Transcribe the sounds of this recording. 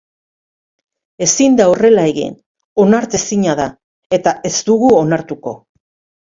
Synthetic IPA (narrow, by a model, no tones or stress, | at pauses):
e̞sind̪aore̞lae̞ɣḭn | o̞naɾt̪e̞siɲaða | e̞t̪ae̞zd̪uɣuonaɾt̪uko̞̰